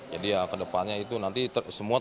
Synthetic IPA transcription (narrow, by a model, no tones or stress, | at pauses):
d͡ʒadijakədəpanɲait̪unant̪it̪əsəmua